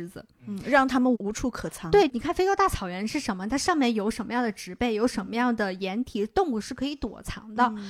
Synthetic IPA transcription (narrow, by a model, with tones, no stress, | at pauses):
ɻ̩˧˥d͡zɹ̩̰˩˥ɻɑ˥˩ŋt̪ʰa˥mə˨nu˧˥ʈ͡ʂʰu˧˥kʰɤ˨˩t͡sʰɑ˧˥˦t̪we˥˩ɪni˨˩kʰa˥˩nfe˥o˥t̪a˥˩t͡sʰɑ˨˩ʊɥɛ˧˥nʂɻ̩˥˩ʂə˧˥nmə˧t̪ʰa˥ʂɑ˥˧ŋmjɛ˥˩njo˧˥ʊʂə˧˥nmə˧jɑ˥˩ŋd̪ə˩ʈ͡ʂɻ̩˧˥pe˥˩ɪjo˧˥ʊʂə˧˥nmə˧jɑ˥˩ŋd̪ə˩jɛ˧˥nt̪ʰi˨˥˧t̪ʊ˥˧ŋu˥˩ʂɻ̩˥˩kʰɤ˧˥i˧˥t̪wɔ̰˨˩t͡sʰɑ̰˧˥ŋd̪ɑ˥˩ʊ